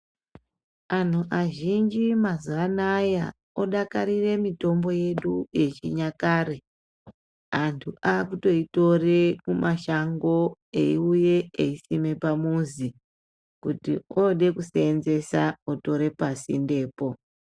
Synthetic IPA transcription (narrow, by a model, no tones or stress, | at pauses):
an̤uʔaʒind͡ʒimazuanaja | oɗakaɾire̞mito̞mbo̞je̞ɗuje̞t͡ʃḭɲakaːre | antʰuʔakuto̞ito̞re̞kumʔaʃaŋɡo̞eiuje̞eisime̞pamuzi | kutḭoɗe̞kuseːnze̞saoto̞ɾe̞pasḭnde̞ːpo̞